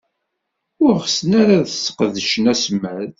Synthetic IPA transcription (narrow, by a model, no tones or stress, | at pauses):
ʊɾʁəsənaɾaðsə̥qðəʃənæsmːæð